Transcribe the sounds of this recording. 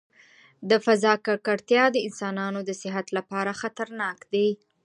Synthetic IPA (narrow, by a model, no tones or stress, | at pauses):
d̪əfazɑkakaɽt̪jɑd̪əɪnsɑnɑnod̪əsɪɦat̪lapɑɾaxat̪aɾnɑkd̪aj